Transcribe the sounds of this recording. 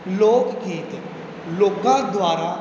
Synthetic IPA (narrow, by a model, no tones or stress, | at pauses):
loːkkiːt̪ | loːkãːd̪waːɾaː